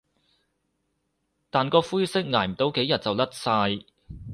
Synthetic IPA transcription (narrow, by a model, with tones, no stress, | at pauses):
t̪aː˨nkɔː˧fuː˥jsɪ˥k̚ŋaː˨˩jm̩˨˩t̪o˧wke˨˥jɐ˨t̚t͡sɐ˨wlɐ˥t̚saː˧j